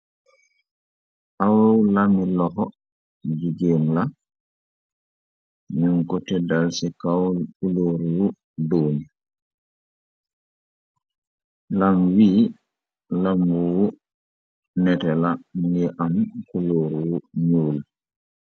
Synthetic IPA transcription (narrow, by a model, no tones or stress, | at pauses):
ʔawowlamilɔxɔ | d͡ʒiɡeːmla | nuŋkɔtɛdalsikawlkuloːɾwu | doːni | lamwiː | lambuwu | nɛtɛlamŋiʔamkuloɾwuɲuːl